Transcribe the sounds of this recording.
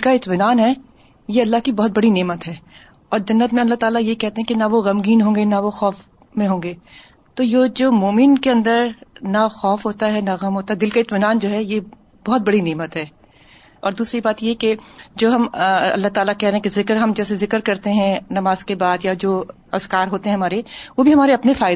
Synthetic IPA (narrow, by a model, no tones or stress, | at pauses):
ɪkaɪt̪mɪnaːnɦɛː | jeɐlːaɦkibɔɦʊt̪̚bɐɽineːmət̪ɦɛː | ɔːɾd͡ʒɐnːət̪mẽɐlːaɦt̪aːlajekɛɦt̪eɦɛ̃kenaʋoɣɐmɡiːnɦõːŋɡenaʋoxɔːf | mẽɦõːŋɡeː | t̪ojoːd͡ʒoːmoːmɪnkeɐ̃nd̪əɾnaxɔːfɦoːt̪aɦɛnaɣɐmɦoːt̪aɦɛd̪ɪlkaɪt̪mɪnaːnd͡ʒoːɦɛje | bɔɦt̪̚bɐɽineːmət̪ɦɛː | ɔ̰ːɾd̪uːsɾibaːt̪jeɦɛked͡ʒoːɦɐmɐ̰lːaɦt̪aːlakɛɦɾẽɦɛ̃kezɪkɾɦɐmd͡ʒɛːsezɪkəɾkɐɾt̪eɦɛ̃nɐmaːz̥kebaːd̪jad͡ʒoː | ɐskaːɾɦoːt̪eɦɛ̃ɦɐmaːɾeʋobʱiɦɐmaːɾeɐpnefaːɪ